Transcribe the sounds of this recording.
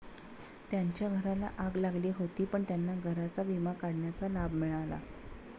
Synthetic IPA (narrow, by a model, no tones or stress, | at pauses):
t̪jaɲt͡ɕjaɡʱəɾala̰ʔaɡlaɡliːɦot̪iːpəɳt̪janːaɡʱəɾat͡saʋimakaɽɳjat͡salabmiɭala̰